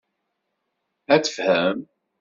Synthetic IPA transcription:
æt͡sə̥fhæm

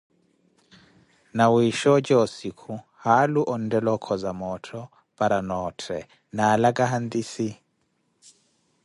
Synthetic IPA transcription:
nawiʃɔt͡ʃʼɔɔsikʰu | haluʔɔn̩dɛlɔkʰɔzamɔtʰɔ | pʼaɾanɔtʰɛ | naːlakʼaɦand̪isi

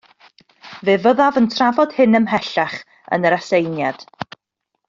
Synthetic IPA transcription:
veːvəðavəntʰravɔd̥hɨnəmɦɛɬaχ | ə̰nəɾasejnjad̥

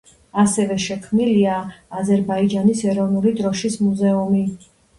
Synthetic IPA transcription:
asɛvɛʃɛkʰmniliaːzɛɾbaid͡ʒanisɛɾɔvnulid̪ɾɔʃismuzɛumi

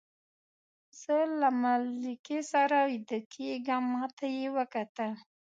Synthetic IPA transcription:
z̥əlamalikesaɾawid̪əkʰeɡamːɑt̪ʰajewəkat̪əl

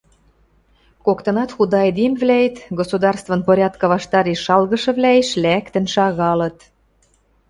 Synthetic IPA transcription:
kokt̪ɤ̆nɑt̪xud̪ɑed̪imβlʲæjet̪ɡosud̪ɑrst̪vɤ̆npoɾʲɑt̪kɤ̆βɑʃt̪ɑɾeʃːɑlɣɤ̆ʃɤ̆βlʲæeʃlækt̪ə̆nʃɑɣɑlɤ̆t̪

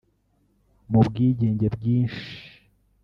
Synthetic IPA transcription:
mubɡiːɟe̞ːɲɟebɟiːnʃi̥

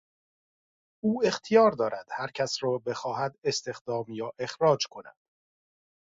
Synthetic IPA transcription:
uːe̞xt̪ʰijɒːɾd̪ɒːɾʔæd̪̥hæɾcʰæsɾɒːbe̞xɒːɦæd̪e̞st̪e̞xd̪̥ɒːmjɒːʔe̞xɾɒːd͡ʒkʰo̞næ̰d̪̥

